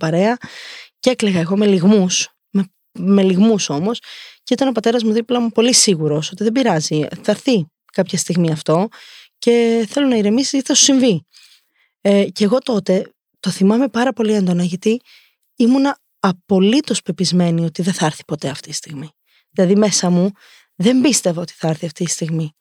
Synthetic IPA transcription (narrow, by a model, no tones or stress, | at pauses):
pɐɾe̞ɐcekleɣɐeɣo̞meliɣmus | me | me̞liɣmuso̞mo̞sceit̪ɐno̞pɐt̪e̞ɾɐzmuðiplɐmupo̞lisiɣuɾo̞so̞t̪iðe̞biɾɐziθɐɾθi | kɐpçɐst̪iɣmiɐft̪o̞ce̞θe̞lo̞nɐiɾemisizʝɐt̪iθɐsu̥siɱvi | ceɣo̞t̪o̞t̪e̞ | t̪o̞θimɐme̞pɐɾɐpo̞liɐnd̪o̞nɐʝɐt̪i | imunɐː | po̞lit̪o̞spe̞pizme̞nio̞t̪iðeθɐɾθi̥po̞t̪e̞ɐft̪iti̥st̪iɣmi | ðilɐðime̞sɐmu | ðe̞mbist̪e̞vɐo̞t̪i̥θɐɐɾθiɐft̪ist̪iɣmi